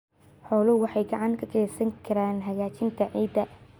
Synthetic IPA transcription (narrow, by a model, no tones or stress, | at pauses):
ħɔːlʊwɑħɑjɡɐʕɑŋkʰɐkʰɛːsɐŋkʰɐɾaːnɦɐɣaːt͡ʃɪnt̪ʰɐʕiːd̪ɐ